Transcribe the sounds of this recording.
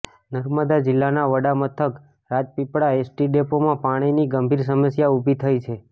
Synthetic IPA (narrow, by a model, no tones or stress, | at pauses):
nəɾməd̪ad͡ʒɪlːanaʋəɽamət̪ʰək | ɾad͡ʒpipɽaesʈiɖepomãpaɽ̃iniɡəmbʱiɾsəməsjaubʱit̪ʰəjt͡ʃʰe